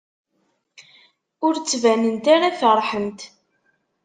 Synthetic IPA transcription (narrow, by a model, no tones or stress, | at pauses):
ʊɾt͡sːvænənt̪aɾaθərˤħənt̪